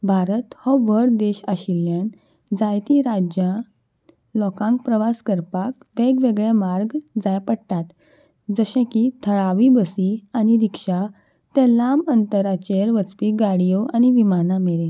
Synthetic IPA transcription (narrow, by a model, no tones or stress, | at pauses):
bʱaɾət̪hɔʋəɽd̪eɕaɕiljãn | d͡zajt̪iɾad͡ʑjã | lɔkãŋk̚pɾəʋaskəɾpak | ʋeɡʋeɡɭẽmaɾɡd͡zajpəɽʈ̪at̪ | d͡zəɕẽkit̪ʰəɭaʋibəsiañiɾikʂa | t̪ɛ̃lamənt̪əɾat͡ɕeɾʋət͡spiɡaɽijoʔañiʋimanameɾen